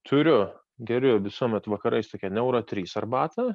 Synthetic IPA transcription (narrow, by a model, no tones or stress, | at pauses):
t̪ʰʊɾʲʊ | ɡʲɛɾʲʊʋʲɪsuɔmʲɛt̪ʋɐkɐɾɐɪst̪oːkʲɛnʲɛʊɾɐt̪ʲɾʲiːsɐrbɑːt̪ɐ